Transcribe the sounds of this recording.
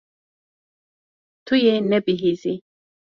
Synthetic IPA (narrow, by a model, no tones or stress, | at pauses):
t̪ʰujɛnɛbiɦizi